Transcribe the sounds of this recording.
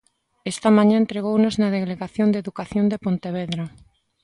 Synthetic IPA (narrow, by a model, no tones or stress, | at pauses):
ɛst̪ɐmãɲaent̪ɾeɣownoznɐðeɣleɣaθjond̪eðukaθjond̪epont̪eβ̞eðɾa